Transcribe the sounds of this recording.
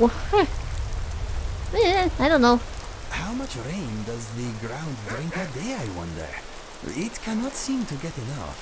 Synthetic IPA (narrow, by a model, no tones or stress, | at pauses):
w | aɪɾõʊ̃nːoʊ | haʊmʌt͡ʃɹẽɪ̃ndʌzðɨɡɹãʊ̃nddɹɪ̃ŋkədeɪaɪwʌ̰̃ndḛ | ɪtkʰænətsĩmtʰɨɡɛɾɨnʌ̰f